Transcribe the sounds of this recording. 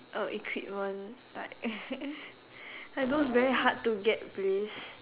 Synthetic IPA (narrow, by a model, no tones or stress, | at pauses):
ʔoʔikʰwḭt̚mãnlaɪk̚ | aɡosvɛɹihad̚tːuɡɛt̚ples